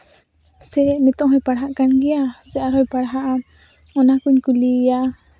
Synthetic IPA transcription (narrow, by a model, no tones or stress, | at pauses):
sɛnɛt̪ɔ̃ʔɦɔjpaɽaɦaʔkanɡiasɛʔaɾhɔjpaɽɦaʔa | ɔnakuɲkulija